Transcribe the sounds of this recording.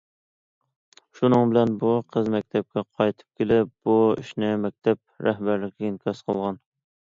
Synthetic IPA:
ʃunɨŋbɪlɛnbuqʰəzmɛkʲt̪ʰɛp̚kʲɛqʰɑjt̪ʰɨ̥p̚kʲʰelɪpb̥uḭʃnɪmɛk̚ʲt̪ʰɛp̚ɾɛhbæɾlɪkʲɛinkʲʰɑsqʰəlˠʁɑn

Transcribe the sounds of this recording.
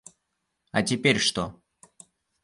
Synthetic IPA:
ɐtʲɪpʲeɾʲʂt̪o

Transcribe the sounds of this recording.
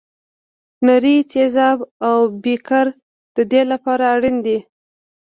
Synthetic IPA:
naɾit̪ʰezɑbawbikaɾ | d̪̥əd̪elapɑɾaːɽind̪i

